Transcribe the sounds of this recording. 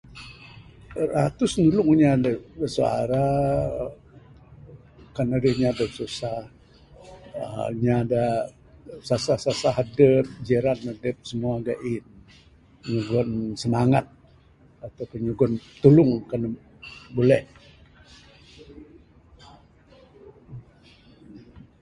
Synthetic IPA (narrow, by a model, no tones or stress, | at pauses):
rat̪ʊsnulʊŋɲadaəsua̰ɾa | kanədəhɲadəsusah | ə̰ɲada | sasasasaɦadəp̚d͡ʒəɾanadəp̚səmuaɡaʔin | pəɲuɡɔnsəmaŋat̪̚ | at̪awpəɲuɡɔnt̪ulʊŋkan | bulɛh